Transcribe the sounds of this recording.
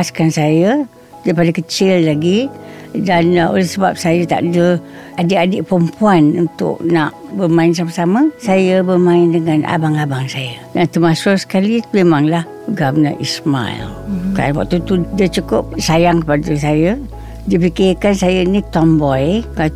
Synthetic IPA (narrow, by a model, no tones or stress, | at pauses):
askansajə | daɾipadəkət͡ʃɪlːaɡi | dano̰lɛhsəbap̚sajət̪a̰ʔdə | adəʔadəʔpɾəmpuanunt̪ʊ̰ʔ̚naʔbəmaɪns̬aməsaməsajəbəmaɪndəŋanʔa̰baŋabaŋsajədant̪əmasʊʔsə̥kalimemaŋlah | əɡamnaʔisma̰ḭlkaa̰nwa̰ʔt̪ut̪udət͡ʃukʊp̚sajaŋkəpadəsajə | dipikɪrkansajənit̪ɔmbɔjkal